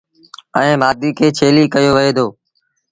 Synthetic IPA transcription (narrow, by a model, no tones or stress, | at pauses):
əẽːmaːd̪iːkʰeːt͡ʃʰeːliːkəjoːʋəeːd̪ʰoː